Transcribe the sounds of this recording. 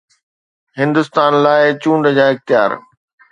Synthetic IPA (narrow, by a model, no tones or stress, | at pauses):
ɦɪ̃nd̪ʊst̪aːnlaːɪt͡ɕũːɳɖd͡ʑaːɪxt̪ɪja̰ːɾ